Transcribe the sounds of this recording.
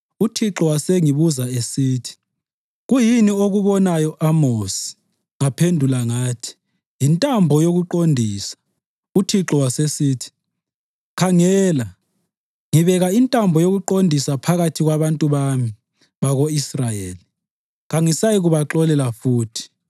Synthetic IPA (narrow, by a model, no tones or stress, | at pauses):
utʰiǁɔwaseŋiβuzaesiːtʰi̥ | ɣujinioɣuβɔnajɔʔamosi̥ | ŋapʰendʱulaŋaːtʰi̥ | jintʼambʱɔjoɣuǃondʱiːsḁ | utʰiǁɔwasesiːtʰi̥ | kʰaŋɛːla | ŋiβɛɣaintʼambʱɔjoɣuǃondʱisapʰaɣatʰiɣwaβantʼuβami | βaɣoisrajeːli | ɣaŋisajiɣuβaǁɔlɛlafuːtʰi̥